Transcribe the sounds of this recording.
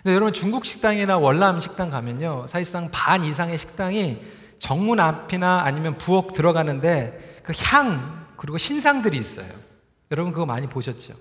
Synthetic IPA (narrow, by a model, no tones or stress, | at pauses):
ɯnejʌɾʌbunt͡ɕuŋɡuk̚ɕ͈ʰi̥k̚t͈aŋinawʌɭːamɕʰi̥k̚t͈aŋkamjʌɲosʰaiɭs͈aŋpanis̬ʰaŋe̞ɕʰi̥k̚t͈aŋi | t͡ɕʌŋmunapʰinaːɲimjʌnpuʌk̚tɯɾʌɡanɯnde̞kɯçjaŋkɯɾiɡoɕʰins̬ʰaŋdɯɾiːs͈ʌ̰jo̰ | jʌɾʌbunkɯɡʌma̰ɲipoɕʰʌt̚t͡ɕ͈o̰